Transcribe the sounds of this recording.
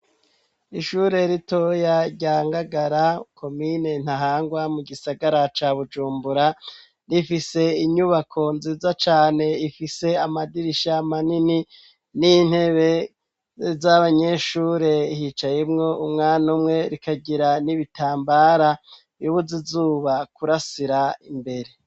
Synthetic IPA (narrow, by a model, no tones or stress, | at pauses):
iʃuɾe̞ɾito̞jaɟaːŋɡaɡaɾakʰo̞mine̞n̥haɦaːŋɡwamuɡisaɡaɾat͡ʃaβud͡ʒuːmbuɾa | ɾifise̞iɲuβakʰo̞nziːzat͡ʃaːne̞ifise̞amadiɾiʃaːmanini | nin̥he̞βe̞ | zaβaɲe̞ʃuɾe̞ihit͡ʃajemŋo̞umŋaːnumŋe̞ɾikaɟiɾaniβitʰaːmbaːɾa | juβuzizuːβakuɾasiɾaimbe̞ɾe̞